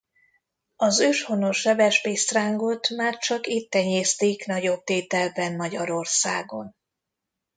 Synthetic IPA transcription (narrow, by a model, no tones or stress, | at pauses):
ɒzøːʃho̞noʃɛbɛʃbeːst̪raːŋɡot̪maːrt͡ʃɒkit̪ːɛɲeːst̪eːknɒɟo̞b̚t̪eːt̪ɛlbɛnmɒɟɒɾo̞rsaːɡo̞n